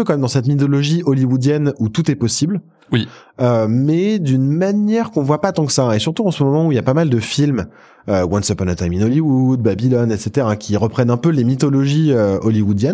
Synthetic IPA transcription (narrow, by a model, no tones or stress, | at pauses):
økɑ̃mɛmd̪ɑ̃sɛt̪mit̪ɔlɔʒiɔliwud̪jɛnut̪ut̪ɛpɔsibl | wiømɛd̪ynmanjɛʁkɔ̃vwapat̪ɑ̃ksaesyʁt̪uɑ̃səmɔmɔmɑ̃uiljapamald̪əfilm | øwɔ̃nsɔpɔnat̪ajmĩnɔliwud̪̚babilɔnɛt̪set̪eʁakʲiʁəpχɛnɛ̃pølemit̪ɔlɔʒiøɔliwud̪jɛn